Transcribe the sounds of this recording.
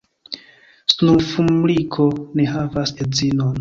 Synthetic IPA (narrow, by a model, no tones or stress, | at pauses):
snumfumlikʰo̞neɦavased͡zinon